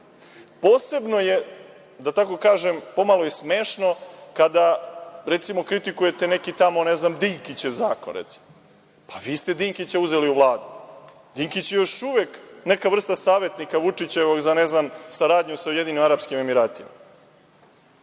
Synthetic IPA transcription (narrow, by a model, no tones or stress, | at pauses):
poːse̞bnoje̞ | d̪at̪ako̞kaːʒempo̞malˠo̞jesmeːʃno̞kad̪aɾe̞t̪simo̞kɾit̪ikuje̞t̪e̞nekit̪amo̞neznamd̪iŋkit͡ɕewzaːko̰nɾet̪si̥mo | pʰaʋiːst̪e̞d̪iŋkit͡ɕauze̞liuʋlˠaːd̪u | d̪iŋkit͡ɕjejo̞ʃuʋeknekavr̩st̪asaːʋe̞t̪nikaʋut͡ʂit͡ɕe̞ʋoɡzaneznamsaɾaːd̪ɲusaujed̪inimaɾapskime̞miɾaːt̪ima̰